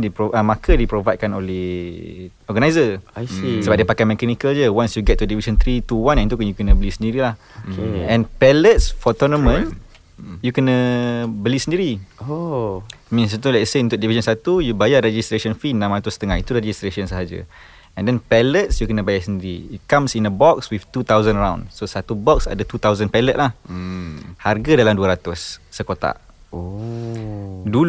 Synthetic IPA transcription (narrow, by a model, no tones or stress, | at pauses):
dipoʔəmakədipɾovajd̚kanõnlɛ | ɔɡanajzə | səbap̚dipakamɛkɛnikəld͡ʒəwãnsjuɡɛt̪̚tːudivisə̃nt̪ɾit̪uwãnɛ̃nt̪ukanjukənəbəlisəndiɾilah | eɛ̃npɛlət̚sfɔt̪ɔnɔ̃mə̃n | jukənəbəlisəndiɾio | mĩnst̪ulɛtseunt̪ʊʔdivisə̃nsat̪ujubajaɾed͡ʒist̪ɾesənfinːãmɾat̪ʊsət̪əŋahit̪uɾed͡ʒist̪ɾesə̃nsəɦad͡ʒa̰ | ɛ̃ndɛnpɛlət̪̚sjukənəbajasəndiɾiit̪̚kãmsĩnəbɔkswift̪ut̪awzə̃nəɾãw̃ndsosat̪ubɔksa̰dət̪ut̪awzənpɛlət̪̚lah | harɡadalamduəɾat̪ʊsːəkot̪a̰ʔ | o | du